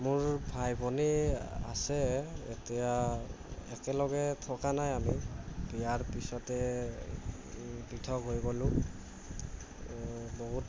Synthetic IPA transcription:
mʊɹbʱajbɔnia̰sɛḛtija | ɛ̰kɛlɔɡɛtʰɔkanajamibijaɹpisɔtɛ | pɹitʰɔkɦojɡɔlʊ̃ | bɔɦut

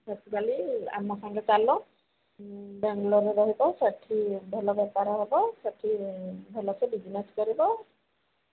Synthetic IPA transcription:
batkalia̰makʰaŋlɛt͡ʃalɔ̃ | bɛŋlɔɾɛbaɦibɔsatʰibʱɛlɔbɛpaɹɔɦɔbɔsatʰibʱɛlɔsɛbid͡ʒinɛskɔɹibɔ

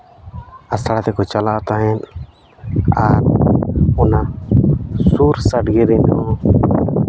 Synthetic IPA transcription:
ast̪aɽat̪ɛkɔt͡ʃalaʔat̪aɦɛn | aɾ | ɔna | suɾsaɖɡɛɾɛnɔ

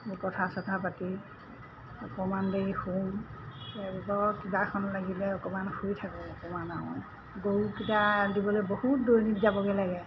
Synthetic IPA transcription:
mupɔtʰasɔtʰapati | ɔkɔmanbeixumtɛbikɔkibakʰɔnlaɡilɛɔkɔmanxujtʰakɔɔkɔmanaɦɔ̰j | ɡokitadibɔlojbohut̚dojnitzabɔɡɛlaɡɛ

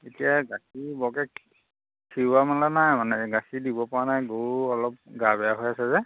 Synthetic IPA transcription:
etijaɡasibɔkɛk | kʰːiɹamanlɔnajmanɛɡasidibɔpɔanajɡouɔlɔp̚ɡabɛjaɦojasɛzɛ

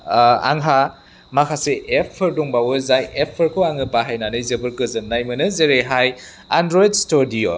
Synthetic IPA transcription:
a̰ŋɦa | makʰaseʔepʰːɯɾduŋbawɯzajepʰːɯɾkʰoaŋɯpaɦajnanɯjzɯbɯɾkɯzɯnːajmɯnɯzeɾeɦaj | andɾojdstoɾdio

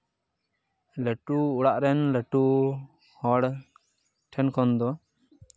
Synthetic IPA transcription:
ləʈuuɽaʔɾɛnləʈu | hɔɽ | ʈʰɛnkʰɔnd̪ɔ

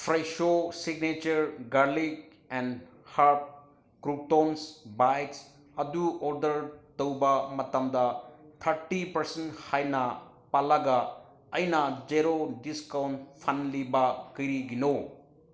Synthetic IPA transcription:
pʰɾajsosiɡnet͡ʃɐɾɡɐɾlik | ɛn | haɾp̚ | kɾup̚tonsbajts | ɐduoɾdɐɾtɐwbɐmɐtɐmdɐt̪ʰɐɾʈipɐɾsenhajnɐ | palɐɡɐ | ɐjnɐd͡ʒeɾodiskawntpʰɐnlibɐkɐjɾiɡino

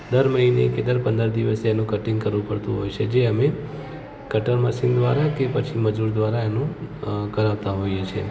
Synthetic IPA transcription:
d̪əɾməɦinḛked̪əɾpənd̪əɾd̪iʋəseːnũkəʈĩŋɡ̚kəɾʋũpəɽt̪ũɦo̰jt͡ʃʰed͡ʒeəme | kəʈəɾməsɪŋɡd̪ʋaɾakepət͡ʃʰiməd͡ʒuɾd̪ʋaɾaenũkəɾaʋt̪aɦojet͡ʃʰe

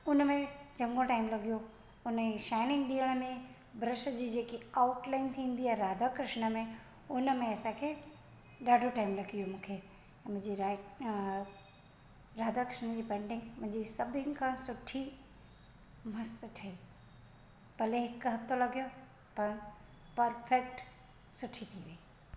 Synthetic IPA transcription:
ʊnmẽd͡ʑɐ̃ŋɡõʈaːɪmlɐɡijo | ʊnəʃaːɪnɪ̃ŋɡɗiːəɽ̃əmẽ | bʱɾɪʃəd͡ʑiːd͡ʑeːkiaʊʈlaːɪnt̪ʰĩːn̆d̪iɛ̃ɾaːd̪ʱakɾɪʃnə̆mẽ | ʊnəmẽɐsãkʰeː | ɗaːɖʱoʈaːɪmlɐɡʱijomũːkʰẽ | mʊ̃ɪ̃ɲd͡ʑiɾ | ɾaːd̪ʱakɾɪʃñəd͡ʑiːpẽːɳɖɪ̃ŋɡmʊ̃ɦɪ̃ɲd͡ʑisɐbʱɪ̃nkʰãsʊʈʰi | mɐst̪ʈʰɐiː | pɐleɦɪkɦɐft̪olɐɡʱijo | pɐɽ̃ | pɐɾfek̚ʈ | sʊʈʰit̪ʰiʋei

